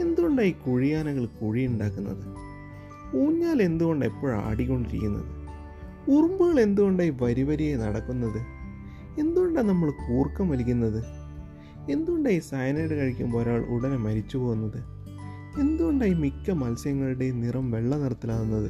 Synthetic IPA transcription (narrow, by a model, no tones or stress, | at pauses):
e̞nd̪uɣoɳɖaːjikuɻijaːnɐɣɐɭkuɻijuɳɖaːkːunːɐ̰ðɨ | uːɲːaːle̞nd̪uɣo̞ɳɖepːo̞ːɻa̰ːɽikʲːo̞ɳɖiɾikʲːunːɐ̰ðɨ | urumbuɣɐɭe̞nd̪uɣo̞ɳɖaːjiʋɐɾiʋɐɾijenɐɽɐkːunːɐðɨ | e̞nd̪uɣoɳɖaːnɐmːɐɭkuːrkːɐmʋɐlikʲːunːɐðɨ | e̞nd̪uɣoɳɖaːjisɐjɐnɐjɽekɐɻikʲːumpo̞ːɾaːɭʔṵɽɐnemɐɾit͡ɕːupo̞ːɣunːɐðɨ | e̞nd̪uɣoɳɖaːjimikːɐmɐlsjɐŋːɐɭiɽe̞nirɐmʋe̞ɭːɐniɽɐt̪ːilaːɣunːɐðɨ